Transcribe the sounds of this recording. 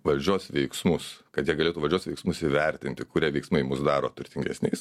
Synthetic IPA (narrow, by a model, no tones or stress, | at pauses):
ʋɐlʲd͡ʒʲuɔsʋʲɛɪksmʊskɐt̪jiɛɡɐlʲeːt̪uʋɐlʲd͡ʒʲuɔsʋʲɛɪksmʊsɪʋʲɛɾʲt̪ʲɪnʲt̪ʲɪkʊɾʲiɛʋʲɛɪksmɐɪmʊsd̪ɑːɾoːt̪ʊɾʲt̪ʲɪŋʲɡʲɛsnʲɛɪs